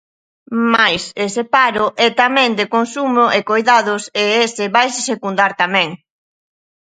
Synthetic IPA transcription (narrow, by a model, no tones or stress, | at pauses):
majsesepaɾʊʔɛt̪amɛ̃ŋd̪ekonsumoʔekojðaðʊseesɪβajsɪsekund̪aɾt̪amɛ̃ŋ